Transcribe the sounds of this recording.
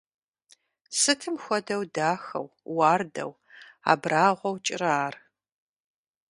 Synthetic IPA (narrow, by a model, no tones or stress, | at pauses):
sɨtʰɨmxʷɔdɐwdaːxɐ̰wwaːrdɐ̰w | a̰ːbraːʁʷɔwt͡ʃʼɪrɐaaːr